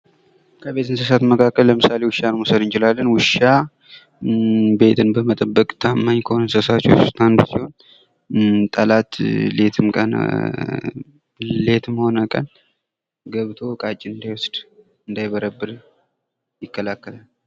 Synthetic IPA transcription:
kʰəβe̞t̪ɨnsəs̬at̪məkʰakːəlːəmɨsale̞wʊʃanmusəd̪ɨnt͡ʃɪlalːənwʊʃa | be̞t̪ʰɨnbəmət̪ʼəbːəkʼt̪ʰamːaɲkʰəhonənsəsat͡ʃːo̰ust̪ʰanbəsiho̞n | t̪ʼəlat̪le̞t̪ʰɨmkʼə̰n̰ | le̞t̪mho̞nəkʼə̰n | ɡəβt̪ʰo̞kʼat͡ʃʼːiɨnd̪ajwɔsd̪ | ɨnd̪ajbəɾəbːɨɾ | jɪkːəlakːəlal

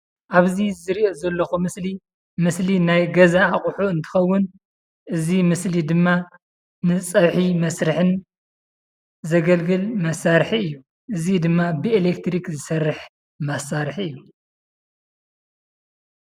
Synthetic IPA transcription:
ʔaβzizɨɾiozɐlːɐxumɨsli | mɨslinajɡɐzaːχʼħuɨnt̪ʰɨ̥xɐwːʊn | ʔɨzimɨslid̪ɨmːa | nɨt͡sʼɐβħimɐsɾɨħɨn | zɐɡɐlɡɨlmɐsaɾħiɨjːu | ʔɨzid̪ɨmːabɨelekt̪ʰɾikzɨsɐrːɨħ | mɐsaɾħiɨjːu

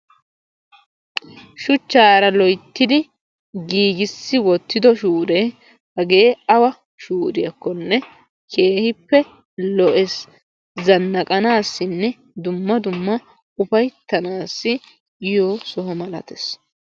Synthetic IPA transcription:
ʃʊt͡ʃːaːɾɐlɔjt̪ːɪd̪ɪ | ɡiːɡɪsːɪwɔt̪ːɪd̪ɔʃuːɾeː | hɐɡe̞ːɐwɐ | ʃuːɾɪjɐkːɔnːɛ | kʰe̞ːhɪpːɛ | lɔʔɛs | zɐnːɐkʼɐnaːsːɪnːɛ | d̪ʊmːɐd̪ʊmːɐ | ʊfɐjt̪ːɐnaːsːɪ | ɪjoːsɔɦɔmɐlɐ̰t̪ɛs

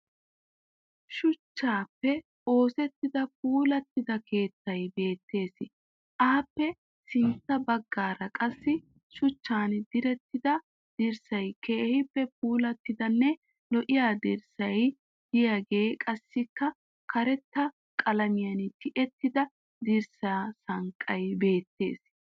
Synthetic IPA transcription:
ʃʊt͡ʃːaːpːɛ | o̞ːsɛt̪ːɪd̪ɐp̚uːlɐt̪ːɪd̪ɐkʰe̞ːt̪ːɐjbe̞ːt̪ːe̞ːsɪ | ʔɐhɐpːɛ | sɪnt̪ːɐbɐɡːaːɾɐkʼɐsːɪ | ʃʊt͡ʃːaːnd̪ɪɾɛt̪ːɪd̪ɐ | d̪̥ɪɾsɐjke̞ːhɪpːɛp̚uːlɐt̪ːɪd̪ɐnːɛ | lɔʔɪjaːd̪ɪɾsɐj | d̪̥ɪjaːɡe̞ːkʼɐsːɪkːɐ | kʰɐɾɛt̪ːɐ | kʼɐlɐmɪjɐnɪt̪ʰɪʔɛt̪ːɪd̪ɐ | d̪ɪɾsasɐŋkʼːɐjbe̞ːt̪ːe̞̰ːs

